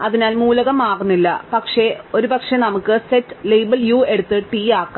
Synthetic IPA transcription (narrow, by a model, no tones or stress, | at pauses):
ɐðinaːlmuːlɐɣɐmaːɣunːilːɐpɐkʂe̞o̞ɾubɐkʂe̞nɐmukːɨsetːlejbɐljuːe̞ɽut̪ːɨʈiːaːkːa